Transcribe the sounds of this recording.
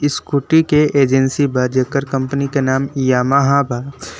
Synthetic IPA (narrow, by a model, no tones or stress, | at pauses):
ɪskuːʈikeeːd͡ʒənsibad͡ʒəkəɾkɐ̃mpnikenaːmijaːmaɦaːbʱaː